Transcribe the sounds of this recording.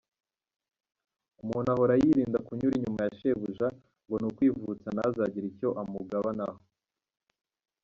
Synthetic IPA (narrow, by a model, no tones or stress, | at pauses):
umuːnahoɾajiɾiːndakuɲuɾiɲumajaʃe̞βuʒa | ŋɡo̞nukwiːvut͡sanazaɟiɾico̞ʔamuɡaβanaho